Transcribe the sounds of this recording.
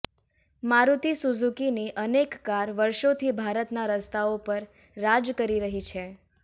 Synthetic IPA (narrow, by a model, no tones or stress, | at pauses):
maɾut̪isuzukiniʔənekːaɾʋəɾʃot̪ʰibʱaɾət̪naɾəst̪ʰaopəɾː | ad͡ʒkəɾiɾəɦit͡ʃʰe